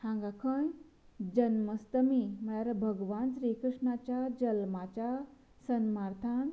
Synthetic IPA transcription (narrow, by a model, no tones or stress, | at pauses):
hãŋɡakʰə̃n | d͡ʑənməst̪əmiməɽaɾɐbʱəɡʋaːnsɾikɾɨʂɳat͡ɕad͡ʒəlmat͡ɕa | sənmaɾt̪ʰaːn